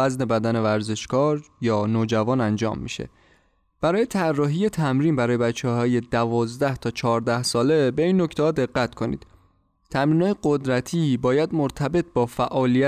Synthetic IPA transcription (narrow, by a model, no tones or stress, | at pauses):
æzne̞bæd̪æne̞væɾze̞ʃkɒːɾjɒːnoːd͡ʒævɒːnænd͡ʒɒ̰ːmːḭʃḛ | b̥æɾɒːje̞t̪ʰærːɒːɦiːje̞t̪ʰæmɾiːnbæɾɒːje̞bæt͡ʃʰːehɒːje̞d̪ævɒːzd̪æht̪ʰɒːt͡ʃʰɒːɾd̪æhsɒːle̞be̞iːnːocʰt̪ʰehɒːd̪e̞ɢːæt̪kʰo̞nḭd̪̥̚ | t̪ʰæmɾiːnɒːjeɡo̞d̪ɾæt̪ʰiːbɒːjæd̪moɾt̪ʰæbe̞t̪̚ʰbɒːfæʔɒːlijæ